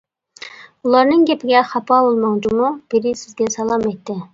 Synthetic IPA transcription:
ulˠɑɾnɨŋɡʲɛpʰɪɡʲɛχɑpʰɑbolˠmɑŋd͡ʒ̪umub̥ɪɾɪsɪzɡʲɛsɑlˠɑmɛjt̪ːɪ

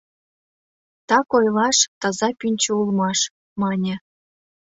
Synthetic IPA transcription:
t̪ɑkojlɑʃt̪ɑzɑpynʲt͡ɕəulˠmɑʃ | mɑnʲĕ

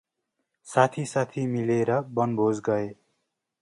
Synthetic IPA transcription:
sat̪ʰisat̪ʰimileɾʌbʌnbʱod͡zɡʌe

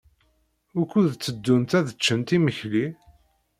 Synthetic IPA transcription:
ʊɾkuðt͡sːəd̪ːunt̪æðət͡ʃːənt̪iməçli

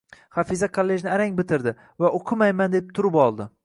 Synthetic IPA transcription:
χafizakʰolːe̞d͡ʒnɪaɾaŋbɪt̪ʰɪɾd̪ɪ | vaoqʰɨmajmand̪ep̚t̪ʰʊɾɪpɒlˠd̪ɪ

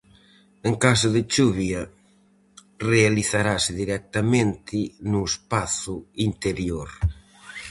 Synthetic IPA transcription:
eŋkas̬ʊðɪt͡ʃuβjɐ | realiθaɾasɪðiɾɛk̚t̪amẽnt̪ʰɪnʊespaθʊint̪eɾjoɾ

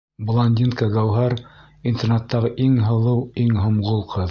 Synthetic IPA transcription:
blˠɐnʲd̪ʲinkɑɡæwɦɑɾ | int̪ernɑt̪ːɑʁɤʔiŋɦɤ̆lˠɤwiŋɦŏmʁolˠqʰɤð

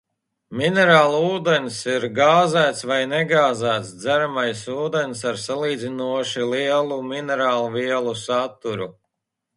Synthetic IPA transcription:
minɛɾaːlˠuːd̪ensiɾɡaːzæːt̪svajnɛɡaːzæːt̪sd̪zæɾamajsuːd̪ens̬aɾsalˠiːd̪zinuɔʃilˠiɛlˠuminɛɾaːlˠuviɛlˠusat̪ːuɾu

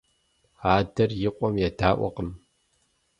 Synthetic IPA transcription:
aːdɐrjɪqʷʼɔmjadaːʔʷɔ̰qəm

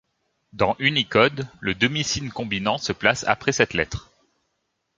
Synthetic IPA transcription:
d̪ɑ̃ʔynikɔd̪ləd̪ɔmisinkɔ̃binɑ̃səplasa̰pχɛsɛt̪lɛ̰t̪χ

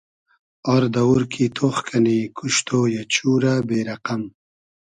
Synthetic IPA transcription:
ɔɾd̪ɐwuɾkʰit̪ʰoxkʰanikʰuʃt̪ʰoːjat͡ɕuːɾabeːɾaqam

